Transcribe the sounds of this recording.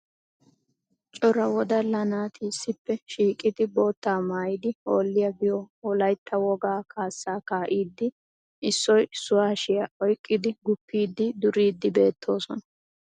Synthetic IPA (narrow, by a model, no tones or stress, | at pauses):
t͡ʃʼɔɾɐwɔd̪ɐlɐnaːt̪ʰiːsːɪpːɛʃiːkʼːɪd̪ɪbo̞ːt̪ːaːmaːjɪd̪ɪo̞ːlːɪjɐbɪjɔɔlɐjt̪ʰːɐwɔɡaːkʰaːsːaːkaːʔiːd̪ːɪ | ɪsːɔjsʊwaːʃɪjɐʔɔjkʼːɪd̪ɪɡʊpːiːd̪ːɪd̪ʊɾiːd̪ːɪbe̞ːt̪ʰːo̞ːsɔnɐ